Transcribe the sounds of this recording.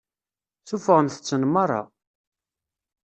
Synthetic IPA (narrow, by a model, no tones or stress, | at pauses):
θufəʁəmθə̥t͡sːənmɑɾˤɑ̰